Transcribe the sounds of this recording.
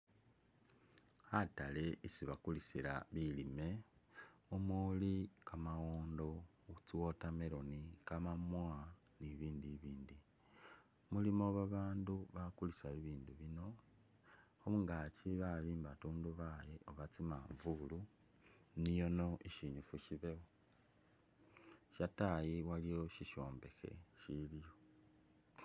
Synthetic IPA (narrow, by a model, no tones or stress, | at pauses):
hatale̞isiβakulisiɾa̰βilime̞ | omulikamaɣoːndo̞ | t͡siwo̞tameɾo̞nikamamwa | niβiːndiβiːndi | mulimo̞βaβaːnduβakulisaiβiːnduβino̞ | ouŋɡaciβalimbatuːnduβajeʔoβat͡sima̰ɱvulu | nijo̞no̞ʔiʃiɲufuʃiβe̞wo | ʃatajiwalijo̞ʃiʃo̞ːmbe̞xe̞̰ʃilijo̞